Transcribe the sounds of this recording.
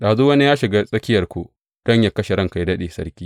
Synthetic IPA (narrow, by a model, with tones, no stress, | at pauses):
ɗaː˨zuː˦wɐ˦ni˦jaː˦ʃɪ˨ɡa˦sʼɐ˦kʲɪ˦jɐ˨rkʷoː˦ | d̥ɔ˦˨ɲja˨kɐ˦ʃe˨ɽɐ˦ŋka˨jdɐ˦ɗeː˨sɐ̰˦ɾkʲiː˦